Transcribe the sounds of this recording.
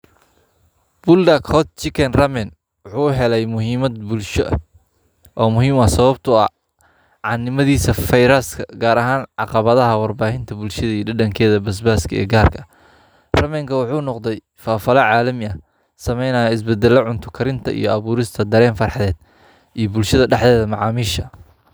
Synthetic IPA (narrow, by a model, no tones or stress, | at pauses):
b̥ʊld̪ɐkhɔt̪̚t͡ʃɪkʰɛnrɐmɛn | wʊħuːɦɛlɛjmʊɦiːmɐd̪̚bʊlʃɔ̰ʔɐ̰ | ʔɔːmʊɦiːmɐsɐβɐbt̪ʰʊɐ̰ | ʕɑnːɪmɐðiːsɐfɐjɾaːskʰɐɡaːɾɐɦaːnʕɑ̰qɑβɐðɐɦɐwɑrbaːhɪnt̪ʰɐbʊlʃɐðɐijɔɖɐɖɐŋkʰɛːðɐbɐs̬baːskʰɐɛ̰ːɡaːrkʰɐ | rɐmɛŋkʰɐwʊħuːnɔqd̪ɛj | faːfɐlɐʕaːlɐmɪɐ | sɐmɛjnɐjɐɪs̬bɛd̪ɛlːɐʕʊnt̪ʰʊkʰɐɾɪnt̪ʰɐḭjɞɐβuːɾɪst̪ʰɐd̪ɐɾɛːnfɑrħɑðɛːd̪̚ | ʔijɔbʊlʃɐðɐɖɛħdðɛːðɐmɑʕɑ̰ːmiːʃɐ